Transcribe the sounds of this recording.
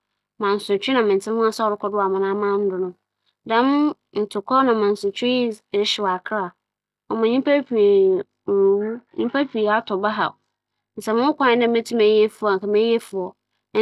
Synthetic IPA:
mã˨n̩˨sʊ˨t͡ɕᶣɪ˦nã˨mɪ̃˨n˨tʰɪ̃˦hʊ̃˦a˦sa˦ɔ˨ɾʊ˦kʰɔ˦dʊ˦a˨mã˨nã˦mã˦n̩˦dʊ˨nʊ̃˦ | dã˦m | n̩˨tʰʊ˨kʰɔ˦nã˨mã˨n˨sʊ˨t͡ɕʰᶣɪ˦˨ɾɪ˦ɕɪ˨wa˨kʰɾa˨ | ɔ˨mã˨ɲĩ˦mpa˦pʰi˨i˨ | wu˦ɲĩ˦pʰa˦pʰi˨a˦tʰɔ˨ba˦ɦa̰˨ | n̩˨sɛ˨mɪ̃˦ʊ˦kʷã˦n˦nã˦mɛ̃˦tʰi˦mɛ̃˨˦e˦fʊ˨a˨ŋ̩˨kʰa˨mẽ˦e˦fʊ˨ɔ˨˦

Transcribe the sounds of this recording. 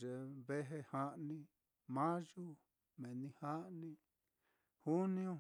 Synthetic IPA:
ʒe˨βe˦ɦe˧hã˦ʔnĩ˧ | mã˦ʒu˦ | mẽ˨nĩ˧hã˦ʔnĩ˦ | hu˦nĩ˦õ˧

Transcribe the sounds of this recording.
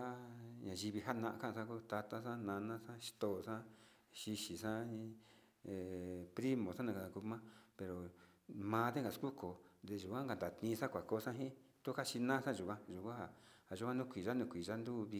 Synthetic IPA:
a˦ɲã˨ʒi˧βi˧ɦa˦nã˧ʔã˧kã˦˧sã˦ku˦t̪a˧t̪a˦sã˦nã˧nã˦sã˦ʃi̥˧t̪o˧ʔsã˦ | ʃi˧ʃi˨sã˦ | e˨pɾi˦mõ˨sã˦nã˧ka˧ã˨˧ku˧mã˦pe˧ɾo˨ | mãː˧˦d̪e˦ŋɡa˨sku˦ko˨nd̪e˧ʒu˨kʷã˦ŋɡa˧˨nd̪a˨t̪ĩː˧sã˦kʷa˨ko˧˦˧sã˦ɦĩ˦ | t̪u˦ka˦ʃi˧nã˦sã˦ʒu˨kʷã˦ʒu˨kʷã˦a˨ha˨ʒu˧kʷã˦nũ˦˧kʷi˨ʒa˦nũ˧kʷi˨ʒa˦nd̪u˦βi˧

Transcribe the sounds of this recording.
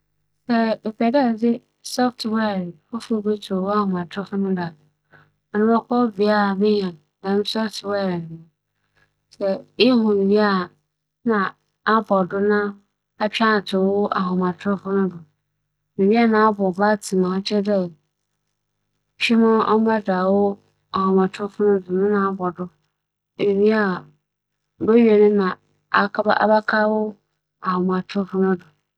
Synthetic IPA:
sɛ˦e˨pʰɛ˨dɛ˦˨dɪ˦ | sɔ˦ftwɛ˦˨ɾfʊ˦fʊ˦be˦tʰʊ˨wo˦a˦hʊ̃˨mã˨tʰɾʊ˦fʊ˦nʊ̃˦da˨ | ɔ˨nʊ̃˦ma˦kɔ˦bi˨a˦˨mɪ˦ɲã˨ | a˨ɪ̃˦m˦sɔ˦ftwɛ˦˨ɾmʊ̃˨ | sɛ˨ɪ˦ɦʊ̃˨m̩˨bi˦a˦˨ | nã˨ | a˦bɔ˨dʊ˦nã˦ | a˦t͡ɕᶣã˦˨tʰʊ˨wʊ˦ʔa˨ɦʊ̃˨mã˨tʰʊ˦fʊ˦nʊ̃˦dʊ˨ | nĩ˨bi˦a˦nã˨a˦bʊ˨ba˦˨tʰi˨mã˨˦t͡ɕʰɛ˦dɛ˦˨ | ɕᶣɪ˦mã˦ɔ̰˦a˦da˨wʊ˦ | a˨hɔ̃˨mã˨tʰʊ˦fʊ˦nʊ̃˦dʊ˨nʊ̃˦nã˨a˦bɔ˨dʊ˦ | e˨ni˦a˨ | bɛ˦ɥɛ˨nʊ̃˦nã˨ | a˨kʰba˦a̰˦ba˦kʰa˦wʊ˦ | a˨hʊ˨m˨ã˨tʰʊ˦fʊ˦nʊ̃˦dʊ˨

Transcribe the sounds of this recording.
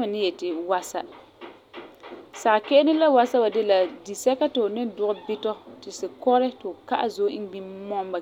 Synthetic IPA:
ma˨nɪ˦jɛ˨tɪ˨wa˦sa˦ | sa˨kɛ˦ʔɪ˦nɪ˦la˦wa˦sa˦ba˨dɪ˦la˨di˨sɛ˦ka˦tɪ˨ʊ˨nɪ˦n˦dʊ˦˨ɣʊ˦bɪ˦tɔ˦tɪ˨sɪ˨kɔ˦ɾɪ˦tɪ˨ʊ˨ka˦ʔa˦˨zo˦ɪ˦ŋ˦ɡ͡bi˦mɔ˦mba˨

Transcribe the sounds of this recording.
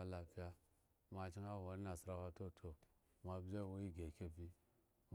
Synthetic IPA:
a˦la˨pi˦a˦ | ma˨t͡ʃi˦ŋa˦wa˨ɾi˦na˨si˨ɾa˦wa˦to˦˨tʰo˨ | ma˨bd͡ʒa˦˨wo˦ji˦ɡe˨ke˦bi˦ | m

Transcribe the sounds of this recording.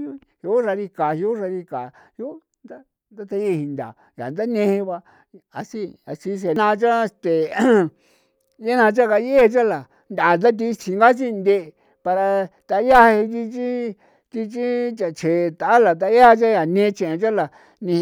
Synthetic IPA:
u˦ | hu˧˦ʐa˧ɾi˧ka˨hu˧˦u˦ɾa˧ɾi˧ka˨ | hju˦ | nd̪a˦ | nd̪a˦t̪a˧ji˧˦˧hi˧nd̪a̰˨ | ja̰˨nd̪a˦nẽ˧he˧βa˧ | a˧si˦a̰˧t͡ʃi˦s̬e˧˨˧nã˧t͡ʃa˦˧st̪e˨ | ja˦nã˧t͡ʃa˦ka˧je˦e˧t͡ʃa˦la˨ | nd̪a˨t̪̬a˦t̪̬i˧t͡ʃi˧ŋɡa˦t͡ʃi˦˧nd̪e˧ | pa˧ɾa˧t̪a˧˦ja˦hhi˧k̪̬i˧t͡ʃi˦ | t̪i˧t͡ʃi˦t͡ʃa˨t͡ʃʰe˨˧t̪a˨a˦la˨t̪̬a˧˦a˦ht͡ʃa˦ja˨nẽ˧˦˧t͡ʃẽ˨ẽ˧t͡ʃa˦la˨ | nĩ˧

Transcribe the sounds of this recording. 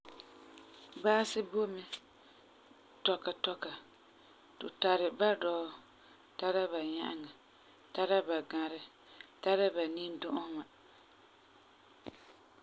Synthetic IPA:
baː˦sɪ˦bo˦mɪ˦ | tɔ˨ka˨tɔ˦ka˨ | tʊ̰˨ta˨ɾɪ˨ba˦dɔː˦ | ta˦ɾa˦ba˨ɲa̰˦ʔa̰˦˨ŋa˨ | ta˦ɾa˦ba˨ɡa˨ɾɪ˦ | ta˦ɾa˦ba˨ni˦n˦dʊ˦ʔʊ˦ma˨

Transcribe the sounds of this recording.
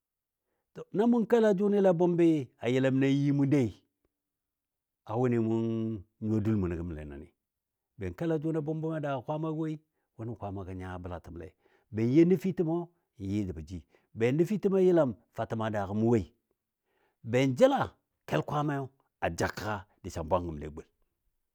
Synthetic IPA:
to˨na˦mu˦nke˦la˨d͡ʒu˦ni˦la˨bo˦mbe˦a˨ji˨la˦mna˦ji˦mu˦de˦i˨ | a˨wu˦ni˨mu˦nɲ˦o˦du˦lmu˨ni˨ɡi˦m˨lḛ˨na̰˨nḭ˨ | be˨nke˦la˨d͡ʒu˦na˦bo˦mbe˦ma˦da˨kkʷa˦ma˦we˦i˦ | wu˦ni˦˨kʷa˨ma˨ka˨ɲa˦˨bə˨la̰˨ti˨m˨lḛ˨ | be˨n˦je˦ni˦fi˦ti˦mo˦˨ | ji˦di˨ba˨d͡ʒi˦ | be˨ni˦fi˦ti˦m˦a˦ji˦la˦˨mfa˨ti˨ma˨da˨ɣi˨mu˦we˦i˨ | be˨nd͡ʒi˦la˨ | ke˦lkʷa˦ma˦jo˦ | a˨d͡ʒa˨ka˦ | di˨sa̰˨mbʷa˦ŋɡi˨m˨lḛ˨ɡ͡be˨l

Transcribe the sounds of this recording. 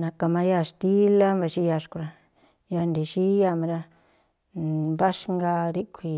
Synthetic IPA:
nã˧ka˧mã˧ja˧˨ʃt̪i˦la˦mba˧˨ʃi˦ja˧ʂku˧ɾa˧ | ja˧nd̪i˨ʃi˦ja˧ma˧ɾa˧ | ba˦ʃŋɡa˧ɾi˦kʷʰi˧

